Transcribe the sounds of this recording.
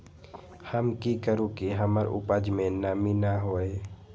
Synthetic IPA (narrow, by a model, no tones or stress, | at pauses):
həmkikəɾũkiɦəməɾʊ̰pəd͡ʒmẽnəminaɦoːe